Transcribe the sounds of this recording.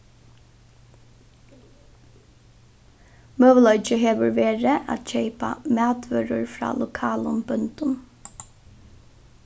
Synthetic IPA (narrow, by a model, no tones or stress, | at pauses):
møːʋəlɔʏt͡ʃəɦeːʋəɹʋeːɹəʔa̰t̪ʃɛɪpa̰mæːd̪ʋœɾəɹfɾɑ̰ːlʊkʰɑːlʊmbœnt̪ʊn